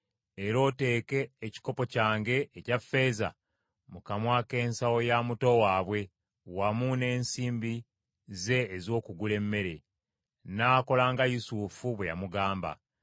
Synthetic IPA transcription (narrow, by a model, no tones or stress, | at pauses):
e̞ɾo̞ːte̞ːke̞ːci̥ko̞po̞caːŋɡe̞ːcafe̞ːza̰ | mukamwaːke̞ːnsawo̞jamuto̞waːβwe̞ | wamune̞ːnsiːmbi | ze̞ːzo̞ːkuɡule̞mːe̞ɾe̞ | naːko̞laːŋɡajusufuβwe̞ja̰muɡaːmba̰